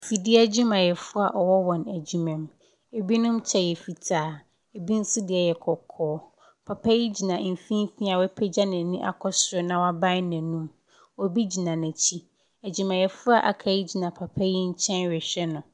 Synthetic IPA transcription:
fi˨di˦æ˦d͡ʑu˦mã˨jɛ˨fʊ˦a˨ʔɔ˨wɔ˦wɔ̃˨næ˨d͡ʑu˨mɛ̃˨m | e˨bi˦nʊ̃˦mt͡ɕʰɛ˨jɛ˨fi˨tʰaː˨ | e˨bi˦n̩˦sʊ˦dɪ˦ɛ˨jɛ˨kʰɔ˨kʰɔː˦ | pʰa˨pʰa˦ji˦d͡ʑi˨nã˨m̩˨fĩ˦fĩ˦a˨wɛ˦pʰɛ˦d͡ʑa˦nɛ̃˨nĩ˦ʔa̰˨kʰɔ˦sɾʊ˨˦nã˨wa˦bã˦næ̃˨nũ˦m | ɔ˨bi˦d͡ʑi˨nã˨nɛ̃˨t͡ɕʰi˦ | æ˨d͡ʑi˨mã˨jɛ˨fʊ˦a˨ʔa̰˨kʰa˨ji˦d͡ʑi˨nã˨pʰa˨pʰa˦ji˦ɲ̩˦t͡ɕʰɛ̃˦nɥɪ˨ɕᶣɛ˦nʊ̃˨

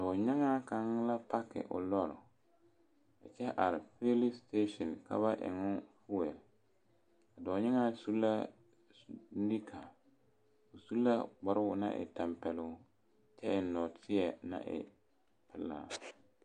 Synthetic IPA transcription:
dɔ˨ɲɪ˦ŋaː˦ka˦ŋ˦la˦pa˦kɪ̰˨ʔʊ̰˨lɔ˦˨ɾʊ̰˨ | ɪ˨t͡ʃɛ˦ʔa˨ɾɪ˨fe˦li˦ste˦ʃɔ˨nka̰˦βa˦ʔɪ̰˨ŋʊ˦nfu˦wɛ˨l | a˨dɔ˨ɲɪ˦ŋaː˦su˦la˦ | di˦kʰa˨ | o˨su˦lːa˦ɡ͡ba˨ɾɪ˦ɡʊ˨na̰˦ʔɪ̰˨ta˨mpɛ˨lʊ˨˦ | t͡ʃɛ˦ɪ˨nɔ˨tʰɪ˦ɛ˨na̰˦ʔɪ̰˨ | pɪ˨lːa̰ː˨

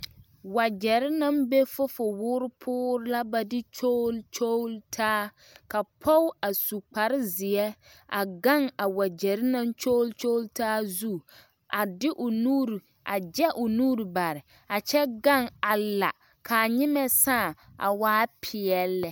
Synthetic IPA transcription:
wa˨d͡ʒɛ˨ɾɪ˦na˦mbe˦fʊ˦fʊ˨wʊː˦ɾɪ˦pʰʊː˦ɾɪ˦la˦ba˦dɪ˦t͡ʃo˦lt͡ʃo˦ltʰaː˦ | ka˨pʰɔ˦wa˨su˨k͡pa˨ɾɪ˦zɪ˨ɛ˦ | a̰˨ɡa˦ŋa˨wa˨d͡ʒɛ˨ɾɪ˦na˦nt͡ʃo˦lt͡ʃo˦ltaː˦zu˦ | ʔa˨dɪ˦ʔʊ˨nuː˦ɾ | ʔa˨d͡ʒɛ˦ʔʊ˨nuː˦ɾi˨ba˨ɾɪ˨ | a˨t͡ʃɛ˦ɡa˦˨ŋa˨la˨ | kʰa˨ɲɪ˦mɛ˦saː˦˨ʔa̰˨waː˦pʰɪ˨ɛ˦lːɛ˨

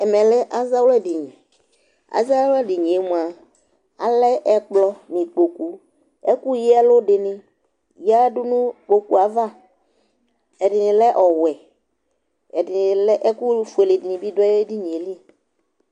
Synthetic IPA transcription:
ɛ˨mɛ̃˨lɛ˦ʔa˦za˦wlɛ˦di˨ɲĩ˨ | a̰˦za˦wlɛ˦di˨ɲĩ˨e˦mũ˨a˨ | a̰˨lɛ˦ʔɛ˦k͡plɔ˦mĩ˨k͡po˨ku˦ | ɛ˦ku˦ji˦ɛ˦lo˦ɖɪ˨nɪ̃˨ | ja˦ɖu˦nũ˦k͡po˨ku˦a˨va˦ | ɛ˨ɖɪ˨nĩ˨lɛ˦ʔɔ˨wɛ˨ | ɛ˨dɪ˨n˨lɛ˦ʔɛ˦ku˦fe˨le˨di˨nĩ˨bi˦dɔ˦e˦di˦ɲĩ˨e˨li˦

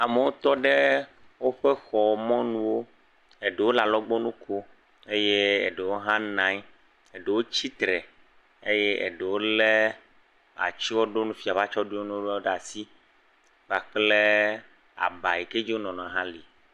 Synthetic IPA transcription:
a˨me˨wo˦t̪ɔ˦ɖe˦ | wo˦ɸe˦xɔ˨mɔ̃˦nũ˦wo˦ | e˨ɖe˨wo˦la˨lɔ˦ɡ͡bɔ˦nũ˦kʰo˦ | e˦je˦e˨ɖe˨wo˦ɦã˦nã˨˦ɲ˦ | e˨ɖe˨wo˦t͡ɕi˦t̪ɾɛ˨ | e˦jɛ˦ʔḛ˨ɖe˨wo˦le˦ | a̰˨t͡ʃi˦wo˦ɖo˦nũ˦fi˨a˨va˦t͡ʃɔ˦ɖu˦o˦nũ˦wo˦ɖɖa˨si˦ | ɡ͡ba˨k͡ple˦ | a̰˨ba˨i˨ke˦d͡ʑi˦wo˦nɔ̃˨nɔ̃˨ã˨ɦã˦li˨

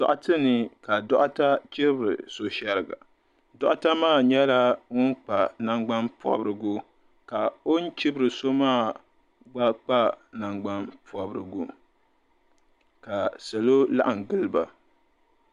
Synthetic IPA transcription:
dɔ̰˨ʔa˨tɨ˦nɨ˨ka˨dɔ˦ʔa˦ta˦t͡ʃɪ˦bɾɨ̰˨so˨ʃa˦ɾɨ˨ɡa̰˨ | dɔ˦ʔʊ˦ta˦maː˦˨ɲɛ˦la˦ŋʊ˦n˦k͡pa˨na˦ŋɡ͡ba˦npɔ̰˦bɾɨ˨ɡʊ˦ | ka˨o˦n˦t͡ʃɪ˦bɾɨ˨so˦maː˦˨ | ɡ͡ba˦k͡pa˦na˨ŋɡ͡ba˦npʰɔ˨˦bɾɨ̰˨ɡu˦ | ka˨sɛ˨lo˦la̰˦ʔa˨ŋ˨ɡɨ˦lɨ˦ba˨

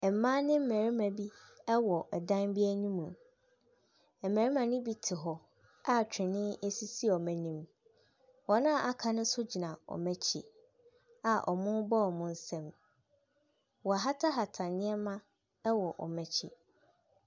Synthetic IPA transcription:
ɛ˨mã˦nɪ̃˦m̩˦mæ̃˨ɾi˦mæ̃˨bi˦ɛ˦wɔ˨ɛ˨dã˦nbi˦æ˦ɲĩ˦mũ˨ | ɛ˨mæ̃˨ɾi˦mã˨nɪ̃˦bi˦tʰɪ˨ɦɔ˨ | a˦˨t͡ɕᶣɪ̃˨nɪ̃˦e˦si˦si˦˨ɔ˨mæ̃˨nĩ˦m | wɔ˨nã˦˨ʔa˨kʰã˨nʊ̃˦sʊ˦d͡ʑi˨nã˨ɔ̰˨mæ̃˦t͡ɕʰḭ˨ | a˨ʔɔ̰˨mʊ̃˦bɔ˦ɔ˨mʊ̃˦n̩˦sɛ̃˨m | wɔ˨a˨ɦa˦tʰa˦ɦa˨tʰã˨nɪ̃˦ɛ˦mã˦ | wɔ˨ʔɔ̰˨mɛ̃˨t͡ɕʰḭ˨

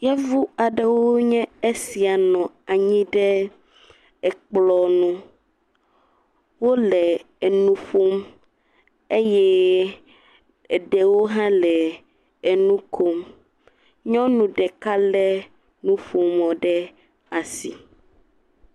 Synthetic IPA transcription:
jɛ˦vu˦a˨ɖɛ˨wo˦ɲɛ̃˦e˦si˨a˨nɔ̃˨a˨ɲĩ˦ɖɛ˦ | ɛ˨k͡plɔ˨nũ˦ | wo˦lɛ˨ | e˨nũ˦ɸo˦m | e˦jɛ˦ | e˨ɖɛ˨wo˦ɦã˦lɛ˨ | e˨nũ˦ko˦m | ɲɔ̃˦nũ˨ɖɛ˨ka˦lɛ˦ | nũ˦ɸo˨mɔ˨ɖɛ˦ | a˨si˨

